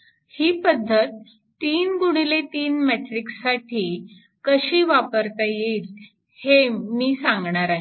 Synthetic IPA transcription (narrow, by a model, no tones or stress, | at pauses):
hiːpəd̪ʱːət̪ː | iːnɡuɽ̃ilet̪iːnmɛʈɾiksaʈʰiː | kəɕiːʋapəɾt̪ajeil | hemiːsãŋɡɳaɾaɦi